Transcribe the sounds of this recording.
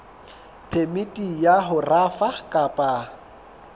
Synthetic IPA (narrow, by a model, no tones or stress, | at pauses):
pʰemitʼijaɦʊrafakʼapʼa